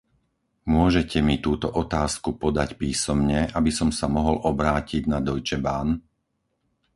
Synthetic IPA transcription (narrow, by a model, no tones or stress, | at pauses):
mʊɔʒɛcʰɛmit̪uːt̪ɔʔɔt̪aːskupɔd̪acpiːsɔmɲɛʔabisɔmsamɔɦɔlʔɔbɾaːciɟnad̪ɔjt͡ʃɛbaːn